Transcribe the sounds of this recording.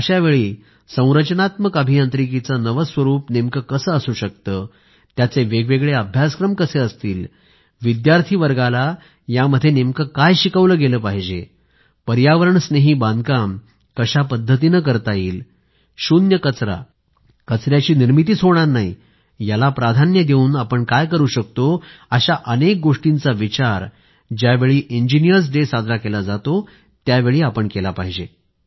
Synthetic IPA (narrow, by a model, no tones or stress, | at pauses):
əɕaʋeɭiː | sə̃w̃ɾət͡ɕnat̪məkəbʱijant̪ɾik̬it͡sanəʋəsʋəɾuːpnemkəkəsəːəsuːɕək̚t̪əː | t̪jat͡seʋeɡʋeɡɭeəbʱjaskɾəmkəseəst̪iːl | ʋid̪jaɾt̪ʰiːʋəɾɡala | jaməd̪ʱːjenemkəkajɕikəʋləːɡeləːpaɦid͡ʑe | pəɾjaʋəɾəɳsneɦiːbãnd̪̚kam | kəɕapəd̪ʱːət̪iːnək̬əɾt̪aiːl | ɕunjəkət͡sɾa̰ | kət͡sɾjat͡ɕiːniɾmit̪iːt͡sɦoɽɳ̃aɾnai | jalapɾad̪ʱanjəd̪euːnapəɳkajkəɾuːɕək̚t̪oəɕaʔənek̚ɡoʂʈint͡saʋit͡ɕaɾ | d͡ʑjaʋeɭiːʔiɲd͡ʑinijəɾs̬ɖesad̪ɾakelad͡zat̪o | t̪jaʋeɭiːapəɳkelapaɦid͡ʑe